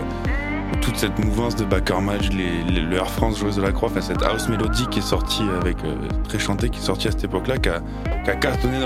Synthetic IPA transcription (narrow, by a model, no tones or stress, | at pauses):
t̪ut̪sɛt̪muvɑ̃sd̪əbakɛʁmat͡ʃlelløɛʁfχɑ̃sʒwɛzd̪əlakχwaɑ̃fɛ̃sɛt̪ʰa̰osmelod̪ikʲiɛsɔʁt̪ʰiavɛkø̰ | t̪χɛʃɑ̃t̪ekʲiɛsɔʁt̪iasɛ̥t̪epɔklaka | kakast̪ɔnen